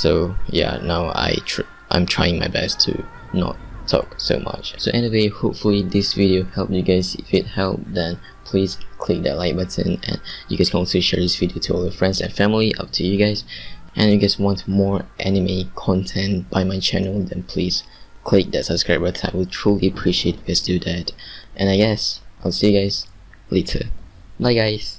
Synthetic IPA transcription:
soja̰naʊa̰ɪtʰɹ | ʔã̰ɪ̃mtʰɹ̥aɪɪ̃ŋmaɪbɛ̰stʰṵ | nɔ̰tʰːɔ̰kso̰ma̰t͡ʃso̰ʔɛniwehopfulid̪ɪsviɾiohɛlˠp̚juɡaɪzɪfɪt̚hɛlˠp̚d̪ɛ̃n | pʰl̥iskʰl̥ɪk̚d̪ɛ̰tlaɪt̚bətʰə̰̃nɛ̰̃njuɡaɪskɔ̃tuʃɛɹdɪsvidiotʰuɔlˠdəfɹɛ̃nsɛ̰̃nfæ̃mliʔʌ̰p̚tʰujuɡaɪzʔɛ̃njɨɡɛswɔ̃ntmɔɹʔɛnimekʰɔ̃ntʰɛ̃ntb̥aɪmaɪt͡ʃʰænəlˠdɛ̃npʰl̥iz̥ | kʰl̥ɪk̚d̪ɨ̰tsəb̥skɹaɪbatʰa̰ɪwiltʰɹ̥ulˠiəpʰɹ̥iʃiet̚ɡaɪsd̥ɨdætʔɛ̃naɪɡɛsʔaɪlˠsijɨɡaɪz̥ | letʰə̰ | baɪɡaɪz̥

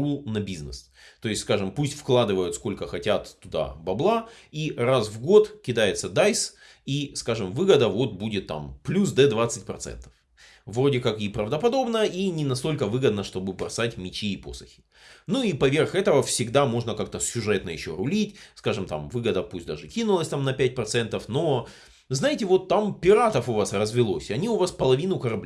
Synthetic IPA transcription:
unɐbʲiznɨ̰s | t̪o̞ɪsʲskaʐɨmpusʲtʲfklˠad̪ɨvəjʊt̪sko̞lʲkəxɐtʲat̪ːʊd̪a̰bɐblˠairasvɡo̞t̪kʲɪd̪ajɪt̪səd̪ajs | iskaʐɨmvɨɡəd̪əvo̞t̪̚budʲɪt̪ːa̰mplʲusd̪ɛd̪vat̪sɨt̚ʲpɾɐt̪sɛ̰nt̪ə̥f | vro̞dʲɪkakipɾəvd̪əpɐd̪o̞bnəinʲɪnɐst̪o̞lʲkəvɨɡəd̪nəʂt̪o̞bɨbɾɐsatʲmʲɪt͡ɕiːpo̞̰sə̥xʲɪ̥ | nuipɐvʲerxɛt̪əvəfsʲɪɡd̪amo̞ʐnəkak̚t̪əsʲʊʐɛt̪nəjɪɕːoɾʊlʲitʲskaʐɨmt̪a̰mvɨɡəd̪əpusʲt̚ʲd̪a̰ʐɨkʲinʊlˠəsʲt̪amnɐpʲæt̚ʲpɾɐt̪sɛnt̪əfno̞ | znajɪtʲɪvo̞t̪ːampʲɪɾat̪əfʊvasrəzvʲɪlˠo̞sʲɐnʲiʊvaspəlˠɐvʲinʊkəɾɐblʲ

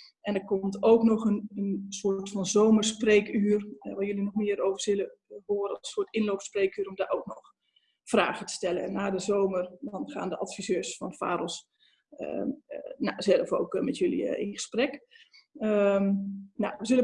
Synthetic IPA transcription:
ʔɛndəɹkɔmtowknɔχənənsʊːtfɑnzowməɹspreːkyːrʋaːɹjølinɔχmɪːəɾowvəɹzɪləɦoːɾəɑsəsoːtɪnlowpspreːkyːɾɔmdaːʔowk̚nɔχ | fra̰ːχətə̥stɛlənɛ̰nːaːdəzowmərdɔnχa̰ːndəʔɑtfizøːsfɑnfa̰ːɾɔlˠs | nazɛlˠfo̰wkmɛtjɵlḭɪ̰nχə̥sprɛk | ə | na̰ʋəzɵlə

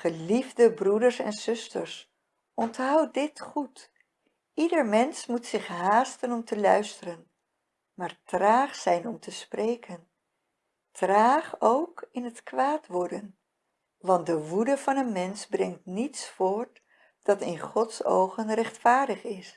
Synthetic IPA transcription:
χəlivdəbrudəɹsɛ̰nzɵstəɹs | ɔntɦʌw̚dɪtχut | idəɹmɛnsmutsɪχɦaːstənɔmtəlœɥstərən | maːɹtraːχsɛjnɔmtəsprejkən | traːχowkɪnɦətkʋaːtʋɔɹdən | ʋɑnt̚dəʋudəvɑnənmɛnsbrɛŋtnitsfʊːɹt | d̥ɑtɪnχɔtso̰wχənrɛχtfaːɹdəχɪs

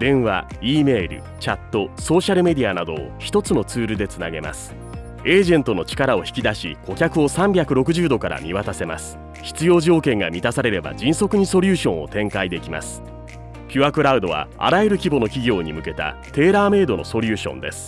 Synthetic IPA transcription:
d̪̥ẽ̞ɰ̃βa̰iːme̞ːɾɯ̟̰ | t͡ɕat̪ːo̞so̞ːɕaɾɯ̟me̞d̪ʲianad̪o̞̰ːçi̥t̪o̞t͡sɨno̞t͡sɨːɾɯ̟d̪e̞t͡sɨnaɡe̞ma̰sɨ̥ | e̞ːʑẽ̞nt̪o̞no̞t͡ɕi̥kaɾao̞çi̥kʲid̪aɕiko̞kʲakɯ̟o̞sãmbʲjakɯ̟ɾo̞kɯ̟ʑɨːd̪o̞kaɾa̰mʲiβat̪ase̞masɨ̥ | çi̥t͡sɨjo̞ːʑo̞ːkẽ̞ŋɡamʲit̪asaɾe̞ɾe̞ba̰d͡ʑĩɰ̃so̞kɯ̟ɲ̟iso̞ɾʲɯːɕõ̞ɰ̃o̞̰t̪ẽ̞ŋkaid̪e̞kʲima̰sɨ̥ | pʲɨakɯ̟ɾaɯ̟d̪o̞β̞a̰a̰ɾajeɾɯ̟kʲibo̞no̞kʲiɡʲo̞ːɲ̟imɯ̟ke̞t̪a̰t̪e̞ːɾaːme̞ːd̪o̞no̞so̞ɾʲɯːɕõ̞̰nd̪e̞̰sɨ̥

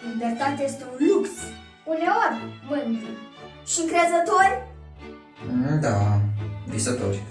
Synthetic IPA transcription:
libert̪at̪ejest̪eunluks | uneorʲmɨnt̪u | ʃiɨŋkɾezət̪orʲ | d̪a | visət̪oɾʲ

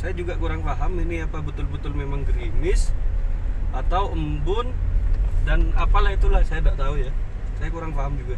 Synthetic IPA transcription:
sajad͡ʒuɡakuɾaŋfaɦaminiapabət̪ʊlbət̪ʊlmemaŋɡəɾimɪs | at̪awʔəmbʊn | danapalahit̪ulahsajandaʔt̪auja | sajakuɾaŋfaɦamd͡ʒuɡa

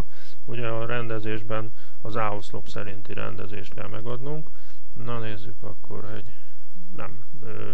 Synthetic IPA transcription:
uɟɛɒɾɛnd̪ɛzeːʒbɛn | ɒzaːoslo̞psɛɾint̪iɾɛ̰nd̪ɛzeːʃt̪̚kɛlmɛɡɒd̪nuŋk | nɒneːzːykɒkːo̞̰rɦoɟ | nɛ̰m | øː

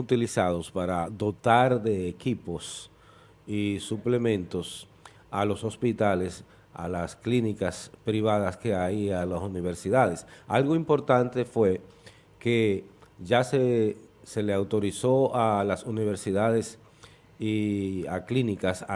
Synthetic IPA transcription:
ut̪ilisaðo̞spaɾaðo̞t̪aɾðe̞ːkipo̞s | isuple̞mẽ̞nt̪o̞s | alo̞so̞spit̪ale̞s | a̰lasklinikaspɾiβ̞aðaske̞aialasuniβ̞e̞ɾsiðaðe̞sa̰lɣo̞impo̞ɾt̪ant̪e̞fwe̞ | ke̞ʝasese̞leawt̪o̞ɾiso̞alasuniβe̞ɾsiðaðe̞s | iaklinikasa

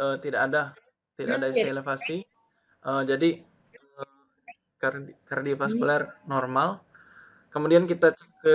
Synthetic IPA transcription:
ʔət̪idakada | t̪ida̰adaisilefasi | ʔəd͡ʒadi | ə | kkardipaskulɛrnormal | kəmudiankit̪at͡ʃəkə

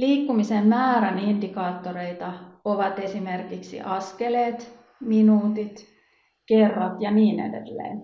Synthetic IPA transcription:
liːkːumisemmæːɾænindikɑːt̪ːoɾe̞it̪ɑoʋɑt̪esimerkiksḭʔɑskeleːt̪ | minuːt̪it̪ | kerːɑt̪jɑniːnḛdḛlːḛːn

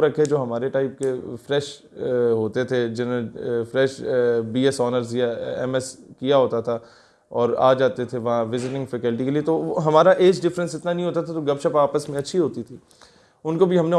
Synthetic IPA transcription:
ɾɐkʰed͡ʒoːɦɐmaːɾeʈaːɪp̚kefɾɛːʃ | ɦoːt̪et̪ʰed͡ʒɪnonefɾɛːʃbiːɛsɔːnəɾzjɛ̰mɛskijaɦoːt̪at̪ʰa | ɔːɾa̰ːd͡ʒaːt̪et̪ʰeʋɐɦãʋɪzɪʈɪ̃ŋɡfɛkəlʈikeliet̪oɦɐmaːɾaʔeːd͡ʒɖɪfɾə̃nsɪt̪nanɐɦĩɦoːt̪at̪ʰat̪oɡɐbʃəpaːpəsmẽɐtːʃʰiɦoːt̪it̪ʰiː | ʊnkobʱiɦɐmne

